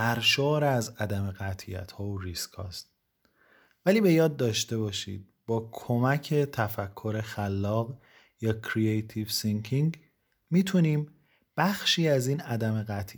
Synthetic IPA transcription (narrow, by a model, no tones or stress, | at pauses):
æɾʃoːɾæzæd̪æme̞ɣæt̪ʰijæ̰t̪ʰhɒːoɾiskʰɒ̰ːst̪̚ | væliːbe̞jɒːd̪̚ːɒːʃt̪e̞bɒːʃḭːd̪̥̚b̥ɒːkʰo̞mæcʰe̞t̪ʰæfækʰːo̞ɾe̞xælːɒːɣ | jɒːcʰɾiejt̪ʰivsiŋkʰiŋɡ | miːt̪ʰuniːm | b̥æxʃiːæziːnæd̪æme̞ɣæt̪ʰ